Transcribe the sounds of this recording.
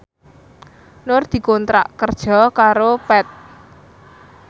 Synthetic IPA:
nʊrd̪̥i̤kont̪ɾa̰ʔkərd̥ʒ̥ɔ̤kaɾopɛt̪̚

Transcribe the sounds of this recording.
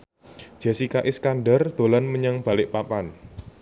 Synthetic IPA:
ʒ̥a̤sikaʔɪskanɖərd̪̥o̤lanməɲaŋb̥ä̤lɪʔpapan

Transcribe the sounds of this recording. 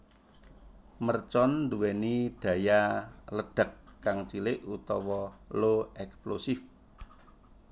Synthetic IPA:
mərt͡ʃɔnːd̪uwɛnid̥ä̤jaləɖ̥ə̤kːaŋt͡ʃilɪʔut̪ɔwɔloɛksplosif

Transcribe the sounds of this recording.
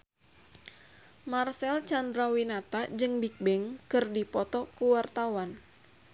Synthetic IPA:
marsɛlt͡ʃandɾawinat̪ad͡ʒɨŋbik̚bɛŋkɨrdipɔt̪ɔkuwart̪awan

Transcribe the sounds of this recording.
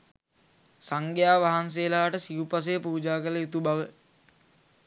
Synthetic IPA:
saŋɡejaːʋaɦans̬eːlaːʈəsiupas̬ejəpuːd͡ʒaːkələjut̪ubaʋə

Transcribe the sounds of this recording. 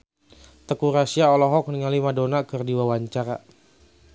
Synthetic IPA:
t̪əkuɾasiaɔlɔɦɔk̚nəŋalimadonakərdiwawaɲt͡ʃaɾa̰

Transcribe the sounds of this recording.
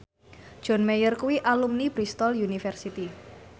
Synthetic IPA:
d̥ʒ̥ɔ̤nmejərkuwiʔalumnibɾist̪ɔljunifɛrsit̪i

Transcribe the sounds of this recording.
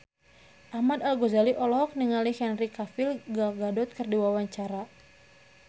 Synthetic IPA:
ʔahmad̪alɡozaliʔɔlɔɦɔk̚niŋalihɛnrikafilɡalɡadɔt̪̚kɨrdiwawaɲt͡ʃaɾa

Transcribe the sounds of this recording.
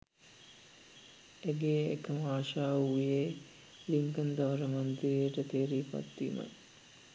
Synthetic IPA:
eɡeːḛkəmaːʃaːujeː | liŋkənd̪ɐʋəɾəmant̪ɾijəʈət̪eːɾiːpa̰t̪ːḭːma̰j

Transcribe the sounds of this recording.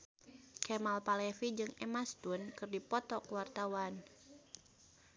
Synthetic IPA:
kɛmalpalɛfid͡ʒɨŋɛmast̪unkɨrdipɔt̪ɔkwart̪awan

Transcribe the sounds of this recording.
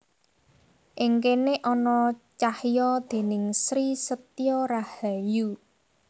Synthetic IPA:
ʔɪŋkeneʔɔnɔt͡ʃahjɔd̪̥e̤nɪŋsɾisət̪ijɔrahaju

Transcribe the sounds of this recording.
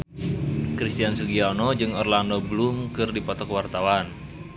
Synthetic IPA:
kɾist̪iansuɡianɔd͡ʒɨŋɔrlandobəlumkɨrdipɔt̪ɔkwart̪awan

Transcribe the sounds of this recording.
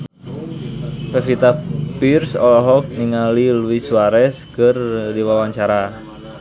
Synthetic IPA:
pɛfit̪apirsɔ̰lɔɦɔk̚niŋaliluisuaɾɛskərdiwawaŋt͡ʃaɾa

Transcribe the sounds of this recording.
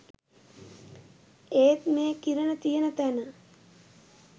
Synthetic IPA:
eːt̪meːkiɾənət̪ijənət̪ænə

